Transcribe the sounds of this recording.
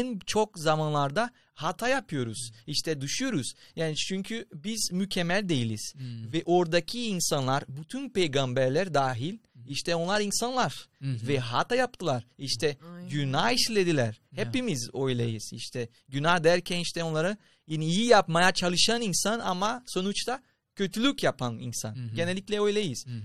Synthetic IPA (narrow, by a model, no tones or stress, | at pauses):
nt͡ʃʰokzamanlˠaɾd̪a | hat̪ʰajapʰɯjo̞ɾuz̥iʃt̪ʰɛd̪ɯʃujo̞ɾuz̥jaːnit͡ʃʰyɲcʰybiz̥mycʰemːælʲd̪e̞jilʲiz̥vɛʔo̞ɾd̪acʰiːnsanlˠaɾbyt̪ʰynpe̞jɡambæɾlʲæɾd̪aːɦilʲiʃt̪ʰɛo̞nlˠaɾinsanlˠaɾ̥vɛɦat̪ajap̚t̪ʰɯlˠaɾiʃt̪ʰɛɟynahiʃlʲed̪ilʲæɾ̥hepimizo̞jlˠajɯz̥ḭʃt̪ʰɛ | ɟynahd̪æɾcʰɛniʃt̪ʰɛonˠaɾɯ | jiniijijapmajat͡ʃʰalˠɯʃaninsana̰maso̞nut͡ʃt̪a | cʰø̞t̪ʰylʲycjapanḭnsa̰nɟe̞nɛlʲːiclʲɛo̞jlˠajɯz̥